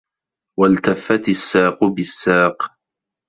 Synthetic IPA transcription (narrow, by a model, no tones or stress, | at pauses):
walt̪afːat̪ɪsːaːqʊbɪsːaːq